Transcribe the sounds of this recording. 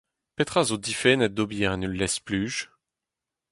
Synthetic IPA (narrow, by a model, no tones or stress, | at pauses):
pet̪χazod̪ifɛnɛd̪objɛʁenəlːɛsplyʒ